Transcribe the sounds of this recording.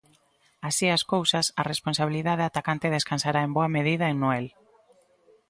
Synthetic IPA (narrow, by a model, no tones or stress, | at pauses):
asiaskowsɐsɐresponsaβ̞iliðaðeat̪akant̪eðeskansaɾaemboɐmeðiðɐeŋnoel